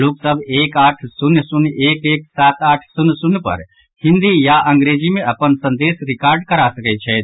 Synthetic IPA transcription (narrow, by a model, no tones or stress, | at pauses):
loksəbʱeːkaːʈʰsunjsʊneːkeːksaːt̪aːʈʰsunsʊnːpə̰ɾ | hɪ̃nd̪ijaʔə̃ŋɡɾed͡ʒimẽʔɐpənsə̃nd̪eːsɾɪkaːɾɖkəɾasəkɛt͡ʃʰɛ